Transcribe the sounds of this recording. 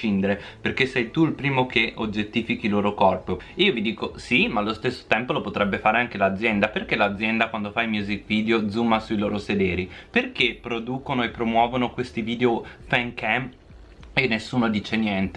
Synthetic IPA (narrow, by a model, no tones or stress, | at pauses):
ind̪eɾe | perkesːɛjt̪uilpɾiːmok̟eʔod͡ʒːet̪ːiːfikiloːɾokɔrpiiːovid̪iːkosimaːlːost̪esːo̥t̪ɛmpolopot̪ɾɛbːefaːɾeaŋk̟elad̪zːjɛnd̪aperk̟elad̪zjɛnd̪akwand̪ofajmjuzikviːd̪eod̪zumːasuiloːɾosed̪ɛːɾiperkepːɾod̪uːkonoepːɾomwɔːvonokwest̪iviːd̪eofɛŋkɛm | enːesːuːnod̪iːt͡ʃenjɛnt̪e